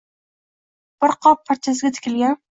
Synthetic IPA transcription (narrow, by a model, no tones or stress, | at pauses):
b̥ɪɾqʰɒpʰːaɾt͡ʃʰasɪɡʲat̪ʰɪ̥kʲɪlɡʲan